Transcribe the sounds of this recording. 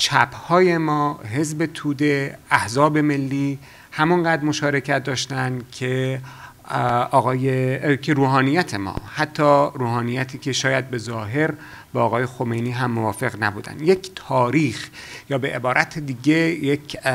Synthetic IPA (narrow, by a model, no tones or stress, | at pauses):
t͡ʃʰæbhɒːje̞mɒːɦe̞zbet̪ʰuːd̪e̞æhzɒːbe̞me̞lːiː | hæmɒnɢæːd̪ɾmo̞ʃɒːɾe̞cʰæt̪̚d̪ɒːʃt̪ænd̪cʰe | ɒːɣɒːjekʰeɾuːɦɒːnijæt̪ʰe̞mɒ̰ːhæt̪ʰːɒːɾuːhɒːnijæt̪ʰiːcʰeʃɒːjæd̪̚be̞zɒːɦe̞ɾ | bɒːɣɒːje̞xomejniːɦæmːovɒːfe̞ɣnæbuːd̪æ̰nd̪ject̪ʰɒːɾiːxjɒːbe̞ʔebɒːɾʔæt̪ʰed̪iːɟe̞jecʰ